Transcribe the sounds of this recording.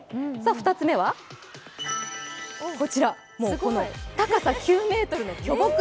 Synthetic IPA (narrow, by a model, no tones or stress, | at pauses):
saɸɯ̟̥t̪at͡sɨme̞βa | ko̞t͡ɕiɾa | moːkonot̪akasakʲɨːme̞ːt̪o̞ɾɯ̟nokʲo̞bok